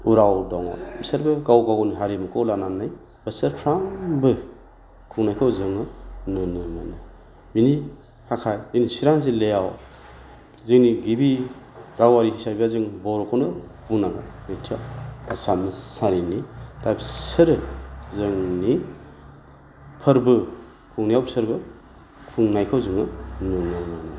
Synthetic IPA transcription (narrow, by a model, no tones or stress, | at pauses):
uɾawdɔŋa̰bisaɾbɯɡawɡawniɦaɾimɯkɔlananaj | bɯsɯɾpʰɾaŋbɯ | kʰuŋnajkʰɯwzɯŋɯnɯnɯmɯnaj | mini | hʰakʰajziŋnisiɾaŋzelejaw | zɯŋniɡibiɾawaɾiisajbazɯŋbɔɾkʰawnɯbunaɡanetʰijaasamɯsaɾinitajbsɯɾɯzɯŋni | pʰəɾbɯ | kʰuŋnijawsɯɾbɯ | kʰuŋnajkʰawzɯŋɯnɯnɯmanɯ